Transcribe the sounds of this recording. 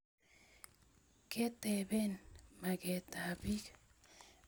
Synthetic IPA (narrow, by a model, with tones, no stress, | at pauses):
ke˦t̪e˨be˦nma˨ke˨t̪a˨bi˦k